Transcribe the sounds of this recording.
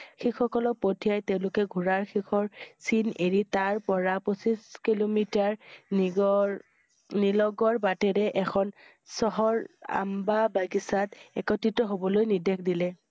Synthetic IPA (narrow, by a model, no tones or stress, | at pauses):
xixɔkɔlɔk̚potʰijajteʊ̃lʊkɛɡʱuɹaɹxʰixʰɔɹsineɹitaɹpɔɹaposiskilomitaɹɔ | nilɔɡɔɹbatɛɹɛʔɛkʰɔn | sɔɦɔɹa̰mbabaɡisatɛ̰kɔtʰitɔɦobɔlojnidɛkʰdilɛ